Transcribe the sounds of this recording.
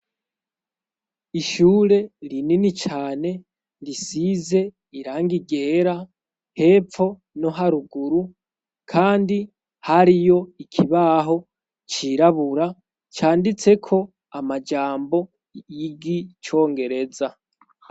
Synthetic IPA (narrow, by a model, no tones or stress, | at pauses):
iʃuːɾe̞ɾininit͡ʃaːne̞ | ɾisize̞ | iɾaːŋɡiɡe̞ːɾa | he̞ːfo̞ | no̞ɦaɾuɡuɾu | kʰaːndi | haɾijo̞ikʰiβaɦo̞ | t͡ʃiːɾaβuɾa | t͡ʃaːndit͡se̞kʰo̞ | amad͡ʒaːmbo̞ | jiɡit͡ʃo̞ːŋɡe̞ɾe̞za